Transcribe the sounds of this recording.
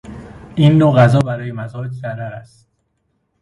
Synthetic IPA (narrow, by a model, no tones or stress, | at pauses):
ʔiːnːoɣæzɒːbæɾɒːjemæzɒːed̪zæɾææst̪